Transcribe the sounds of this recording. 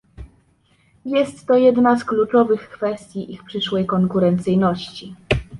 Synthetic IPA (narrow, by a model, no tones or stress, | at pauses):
jɛst̪ːɔjɛd̪nasklut͡ʂɔvɘxkfɛst̪ʲjiʔixpʂɘʂwɛjkɔŋkuɾɛnt̪sɘjnɔɕt͡ɕi